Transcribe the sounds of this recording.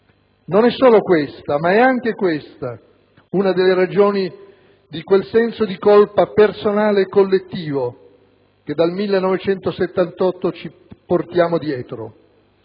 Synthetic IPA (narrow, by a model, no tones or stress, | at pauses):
nonɛsːoːlokwest̪amaɛaŋk̟ekwest̪a | unad̪elːeɾad͡ʒoːni | d̪ikwelsɛnsod̪ikolpapersonaːlekːolːet̪ːiːvo | k̟ed̪almilːenːɔvet͡ʃɛnt̪oset̪ːant̪ɔt̪ːot͡ʃi | port̪jaːmod̪jɛːt̪ɾo̰